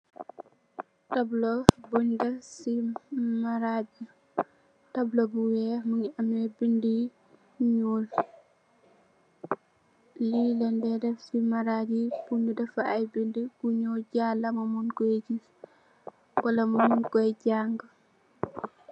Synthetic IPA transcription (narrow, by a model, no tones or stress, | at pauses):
tablobuɲdɐsimaɾadi | tɐblobuwɛmuɲɐmɛbindi | ɲuːl | lilɛndɛdɛfsimaɾadipuɲudɛfaːjbindikuɲɔwɟalɐmɐmunkɔɛɟis | wɐlɐmumunkɔjɟaŋɡ